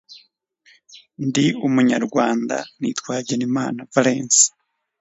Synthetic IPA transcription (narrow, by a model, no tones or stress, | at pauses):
ndiumuɲaɾɡwaːnda̰nḭːtkwaːɟenimaːnavaleːnsi̥